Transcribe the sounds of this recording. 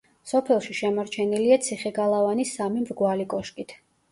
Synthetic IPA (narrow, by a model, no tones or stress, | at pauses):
sɔpʰɛlˠʃiʃɛmɔɾt͡ʃʰɛniliat̪sʰiχɛɡalˠavanisːamimɾɡwalikʼɔʃkʼit̪ʰ